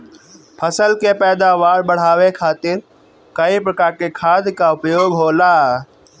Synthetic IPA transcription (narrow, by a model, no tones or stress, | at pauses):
pʰəsəlkepɛːd̪aʋaːɾbɐɽ̤aːʋekʰaːt̪ɪɾ | kɐipɾɐkaːɾkekʰaːd̪ʱkaʊpjoːɡɦoːlaː